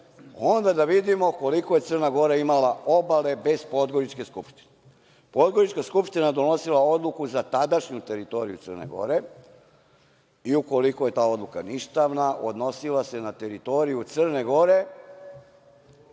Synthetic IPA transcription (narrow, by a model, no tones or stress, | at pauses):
o̞nd̪ad̪aʋid̪imo̞ko̞likoje̞t̪sr̩naɡo̞ɾaimalaʔo̞bale̞be̞zpo̞d̪ɡo̞ɾit͡ʃke̞skupʃt̪i̥ne | po̞d̪ɡo̞ɾit͡ʃkaskupʃt̪inaed̪ono̞silˠao̞d̪lukuzat̪ad̪aʃɲut̪e̞ɾit̪o̞ɾḭjṵt̪sərnḛɡo̞̰ɾe̞ | iuko̞likoje̞t̪aːo̞d̪lukaniʃt̪aʋnaʔo̞̰d̪no̞silˠase̞nat̪e̞ɾit̪o̞ɾijut̪sr̩ne̞ɡo̞ɾe̞